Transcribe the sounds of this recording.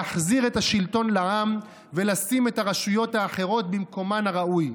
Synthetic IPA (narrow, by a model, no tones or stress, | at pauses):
aχziʁe̞thaʃilto̞nlaam | velasime̞thaʁaʃujo̞thaːχe̞ʁo̞t̪bimko̞manaʁaʔuj